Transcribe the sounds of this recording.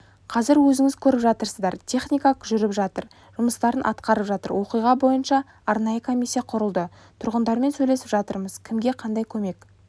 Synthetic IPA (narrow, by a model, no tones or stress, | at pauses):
qʰɑzɪɾwɵzɪŋɪzkʲʰɵɾɪpʒɑt̪əɾsəzd̪ɑɾt̪ʲʰe̞χnijkaəʒʏɾɪpʒɑt̪əɾ | ʒ̥ʊməst̪ɑɾənʔɑ̰t̪qɑɾəpʒɑt̪ə̰ɾwo̞qijʁɑbo̞jənʃɑ | ɑɾnɑjəkʰo̞mʲijsːijɑqʰʊɾəlˠd̪ə | t̪ʰʊɾʁənd̪ɑɾme̞nsɵjle̞sɪpʒɑt̪əɾməz̥kʲʰɪmɡʲe̞qʰɑnd̪ɑjkʲʰɵme̞k